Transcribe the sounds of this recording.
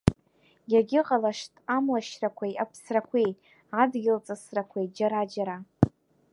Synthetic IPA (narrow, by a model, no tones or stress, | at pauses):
jaɡʲɪqʼalaʂtʼamlaʃrakʷʰajapʰsrakʷʰej | adɡʲɪlt͡sʼasrakʷʰejd͡ʒaɾad͡ʒaɾa